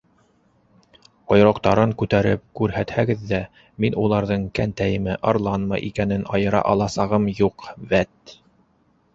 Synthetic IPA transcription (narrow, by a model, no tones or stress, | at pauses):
qŏjɾŏqt̪ɑɾɤŋkʉt̪æɾɘ̰p̚kʉɾɦæt̪hæɡɘðːæ | minulˠɑɾðɤɴkænt̪æjɘ̆mɘʔɑɾlˠɑnmɑjʔikænɘnʔɑjɤ̆ɾɑ̰ʔɑlˠɑsɑʁɤmjuqβæt̪